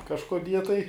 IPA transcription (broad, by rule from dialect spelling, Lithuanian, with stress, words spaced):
kɐʃkoːˈdʲiɛ tɐɪ